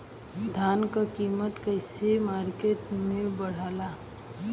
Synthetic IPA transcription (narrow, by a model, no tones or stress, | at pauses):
d̪ʱaːnkakiːmət̪kəɪsemaːɾkeʈmẽbəɽ̤aːla